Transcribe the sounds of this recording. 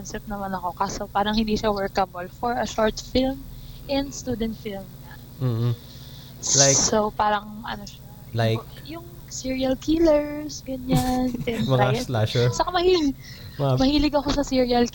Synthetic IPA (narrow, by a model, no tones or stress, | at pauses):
ɔnsɛp̚nɐmanɐko̞kaːsopaːɾɐŋhɪnd̪iːʃawɛɹkɐbɐlfɔɹɐʃoɹt̪film | ʔɛnd̪st̪uːd̪ɛnt̪filmɲɐ | m̩ | lajsopaːɾɐŋɐ̰noʃa | lajkjʊŋ | siɹiɐlkʰilɛɹsɡɐɲant̪ɛnmɐŋalaʃɛt͡ʃɐkamɐhil | mɐhiːlɪɡɐko̞sɐsiɹiɐlk